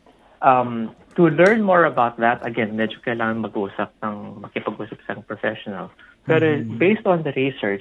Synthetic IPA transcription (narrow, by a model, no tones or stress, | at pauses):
ʔɐm | t̪ʊlɛɹnmɔɹɐbawt̪̚ðɐt̪ɐɡɛnmɛd͡ʒokɐjlaːŋɐŋmɐɡʔuːsɐp̚nɐŋmɐɡ̚kɪpɐɡʔuːsɐp̚sɐɐŋpɹɔfɛʃɔnɐ̰ls | pɛːɾobejst̪ɔ̃nd̪ɐɹisɛɹt͡ʃ